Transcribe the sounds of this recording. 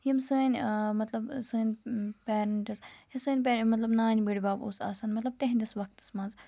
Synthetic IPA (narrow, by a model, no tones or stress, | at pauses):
jimsɨːnʲmɐt̪lɐbsɨːnʲpʲeːɾɐɳʈɨsjɐsɨːnʲpeːmɐt̪lɐbnaːnʲbiɽibaːbo̰ːsa̰ːsaːnmɐt̪lɐb̚t̪eɦnʲd̪ɐsʋɐk̚t̪ɨ̥smɐ̃nz